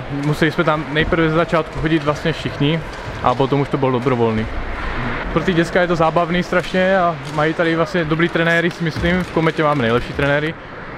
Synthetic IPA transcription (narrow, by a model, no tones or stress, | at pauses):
musɛlismɛt̪amnɛjpr̩vɛzɛzat͡ʃaːt̪kuxoɟid̪vlast̪ɲɛfʃixɲi | ʔa̰pot̪omuʃt̪obold̪obɾovolniː | pɾot̪iɟɛt͡skajɛt̪ozaːbavniːst̪ɾaʃɲɛa | majit̪adivlast̪ɲɛd̪obɾiːt̪ɾɛnɛːɾisimisliːmfkomɛcɛmaːmɛnɛjlɛpʃiːt̪ɾɛnɛːɾi